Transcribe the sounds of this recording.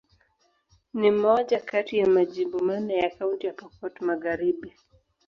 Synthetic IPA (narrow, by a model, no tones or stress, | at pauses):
nimɔʄakatijamaʄimbumanajakauntijapɔpɔtumaɣaɾiɓi